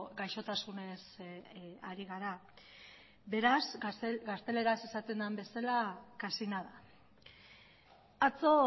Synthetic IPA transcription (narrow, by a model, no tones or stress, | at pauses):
ɡajʃo̞t̪asune̞s | aɾiɣ̞aɾa | be̞ɾasɡast̪e̞le̞ɾasesat̪e̞nd̪ambe̞salakasinaða | at͡so̞